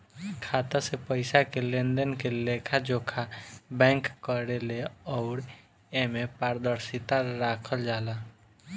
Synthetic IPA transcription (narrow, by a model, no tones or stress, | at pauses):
kʰaːt̪asepəɪsakelẽnd̪ənkeleːkʰad͡ʒoːkʰabɛ̃ːŋkkːəɾeleɔːɾ | ẽmẽpaːɾd̪əɾsɪt̪aɾaːkʰəld͡ʒaːla